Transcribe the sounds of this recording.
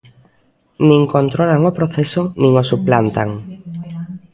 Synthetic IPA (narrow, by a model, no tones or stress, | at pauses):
nĩŋkont̪ɾolaŋopɾoθesʊnĩŋosuplant̪aŋ